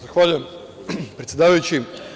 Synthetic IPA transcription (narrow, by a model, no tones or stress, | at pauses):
zaxʋaːʎuje̞m | pɾet̪sʲjed̪aːʋɐjut͡ɕi